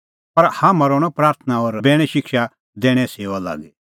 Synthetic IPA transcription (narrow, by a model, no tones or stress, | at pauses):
pɐɾhaːmãɾɔːɽ̃ɔpɾaːɾt̪ʰnaɔːɾbɛːɽ̃ɛʃɪkʃa | d̪ɛːɽ̃ɛ̃seːʋala̰ːɡɛ